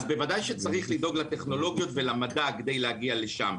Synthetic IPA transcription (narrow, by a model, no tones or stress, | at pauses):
zbe̞vadajʃet͡saʁiχlid̪o̞ɡlat̪e̞χno̞lo̞ɡjo̞tve̞lamadaked̪e̞jlehaɡiale̞ʃa̰m